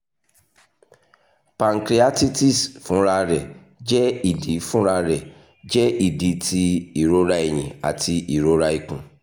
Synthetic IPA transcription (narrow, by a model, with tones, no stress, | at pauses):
pa˨ŋ̩˨kɾi˨˦a˦ti˦ti˦˨sfũ˨˦ɾa˧ɾɛ˨ | d͡ʒɛ˦i˦˨di˨˦fũ˦ɾa˧ɾɛ˨ | d͡ʒɛ˦i˨di˨˦ti˧i˨ɾo˦ɾa˦e˦˨j̃ĩ˨a˨ti˧ʔi˨ɾo˨˦ɾa˦i˨kũ˨